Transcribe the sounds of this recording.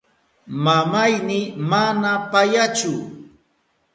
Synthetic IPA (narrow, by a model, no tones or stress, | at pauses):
mamajnɪmanapajat͡ʃʊ